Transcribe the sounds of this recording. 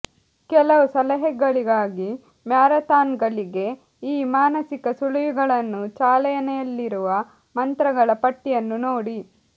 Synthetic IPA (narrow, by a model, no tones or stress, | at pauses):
kɛlɐʋusɐlɐɦɛɡːɐɭiɡaːɡi | mjaːɾɐt̪aːnɡɐɭiɡe̞ | iːmaːnɐsikɐsuɭujuɡɐɭɐnːut͡ʃaːlɛjɐnɛjɐlːiɾuʋɐ | mɐnt̪ɾɐɡɐɭɐpɐʈːijɐnːunoːɽi